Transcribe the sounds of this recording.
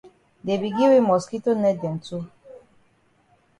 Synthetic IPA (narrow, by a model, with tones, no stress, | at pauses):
de˨bi˨ɡi˦we˦mɔ˨ski˦to˦nɛ˦dɛ˨n̩˨tu˦